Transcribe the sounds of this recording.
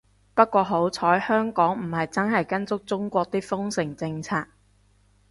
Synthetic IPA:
pɐ˥t̚kʷɔː˧ɦo˨˥wt͡sʰɔː˨˥jhœː˥ŋkɔː˨˥ŋm̩˨˩hɐ˨jt͡sɐ˥nɦɐ˨jkɐ˥nt͡sʊ˥k̚t͡sʊ˥ŋkʷɔː˧k̚t̪iː˥fʊ˥ŋsɪ˨˩ŋt͡sɪ˧ŋt͡sʰaː˧k̚

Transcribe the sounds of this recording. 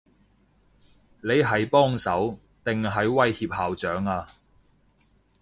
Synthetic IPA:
le˨˧jɦɐ˨jpɔː˥ŋsɐ˨˥w | t̪ɪ˨ŋɦɐ˨jwɐ˧jhiː˧p̚haː˨wt͡ʃœː˨˥ŋaː˧

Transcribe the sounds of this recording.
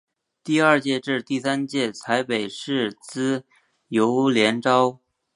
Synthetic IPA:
t̪i˥˧ɐ˞˥˧t͡ɕjɛ˥˧ʈ͡ʂɻ̩˥˧t̪i˥˩sa˥nt͡ɕjɛ˥˩t͡sʰa˧˥ɪpe˨˩ɪʂɻ̩˥˩t͡sɹ̩˥ | jo˧˥ʊljɛ˧˥nʈ͡ʂɑ˥ʊ

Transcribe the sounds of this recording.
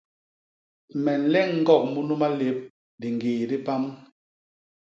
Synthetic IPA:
mɛ˨n̩˨lɛ˦ŋ̩˦ɡɔ˦˨k̚mu˦nu˦ma˦le˨˦p̚ | di˨ŋ˨ɡeː˨di˦pa˦m

